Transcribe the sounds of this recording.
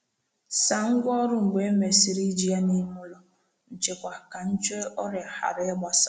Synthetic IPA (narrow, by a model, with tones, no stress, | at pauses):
sa˨ŋ̩˦ɡʷɔ˦ɾʊ˦ŋ͡m̩˨ɡ͡be˨e˦me˨si˦ɾi˦d͡ʒi˦a˦ni˦mʊ˦lɔ˦ | n̩˨t͡ʃe˨kʷa˨ka˨n̩˦t͡ʃe˦ɔ˦ɾɪ˨a˨ha̰˨ɾe˦e˦ɡ͡ba˦sa˦˨